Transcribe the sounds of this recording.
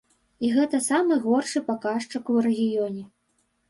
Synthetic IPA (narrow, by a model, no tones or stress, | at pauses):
iɣɛt̪ɐsamɨɣɔrʂɨpakaʂt͡ʂɐkurɛɣʲijɔnʲɛ